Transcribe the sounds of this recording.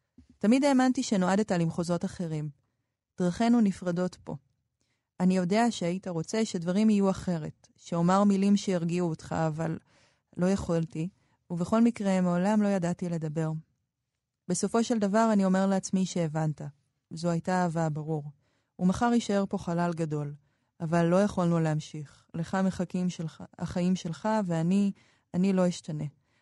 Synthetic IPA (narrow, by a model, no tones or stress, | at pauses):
tamide̞ːmantiʃe̞no̞adetalimχo̞zo̞taχe̞ʁim | d̥ʁaχe̞nunifʁado̞tpo̞̰ | anijo̞de̞aʃe̞aitaʁo̞t͡se̞ʃe̞dvaʁimijuaχe̞ʁe̞t | ʃeomaʁmilimʃe̞jiʁɡiuotχa̰ːvalː | o̞jaχolti | uveχo̞lmikʁe̞meolamlo̞jadatile̞dɐbe̞ʁ | b̥e̞so̞fo̞ʃe̞ldavaʁanio̞me̞ʁleat͡smiʃe̞ːvanta | zoajtaːvabaʁuʁ | umaχaʁiʃae̞ʁpo̞χalalɡado̞l | avalːo̞jaχolnuleɦamʃiχ | le̞χameχakimʃelaa̰χaimʃelχaveani | anilo̞jiʃtane̞